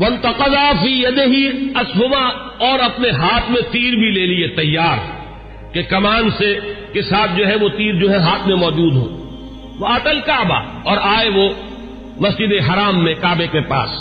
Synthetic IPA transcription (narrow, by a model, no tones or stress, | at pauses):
wɐ̃nt̪ɐqɑd̪aːfiːjɐd̪ɪɦiɐsɦʊba | ɔːɾɐpneɦaːt̪ʰmẽt̪iːɾbʱileːliet̪ɐjːaːɾ | kekɐmaːnsekesaːt̪̚ʰd͡ʒoːɦɛʋot̪iːɾd͡ʒoːɦɛɦaːt̪ʰmẽmɔːd͡ʒuːd̪ɦõ̰ː | ʋɐɐt̪əlkɐʕba̰ | ɔːɾaːeʋo | mɐsd͡ʒɪd̪eɦɐɾaːmːẽkaːbekepa̰ːs